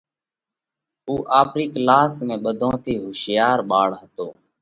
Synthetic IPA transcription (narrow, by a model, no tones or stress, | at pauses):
uːʔaːpɾiːklaːsmẽːɓəd̪ʱõːt̪ʰiːɦoːʃɪjaːɾɓaːɭɦət̪oː